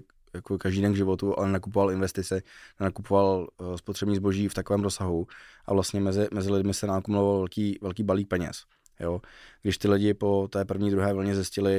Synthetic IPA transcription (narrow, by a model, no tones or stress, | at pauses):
jakokaʒdiːdɛnɡʒɪvo̞t̪ua̰lɛnnakup̬ovalɪnvɛst̪ɪt͡sɛnɛnakupovalspot̪r̥ɛbɲiːzboʒiːft̪akovɛːmɾosaɦuʔa̰vlast̪ɲɛmɛzɪmɛzɪlɪdmɪsɛnaːkumulovalvɛlkiːvɛlkiːbaliːk̚pɛɲɛ̰s | joɡdɪʃt̪ɪlɪɟɪpo̞t̪ɛːpr̩vɲiːd̪ɾuɦɛːvlɲɛzɪscɪlɪ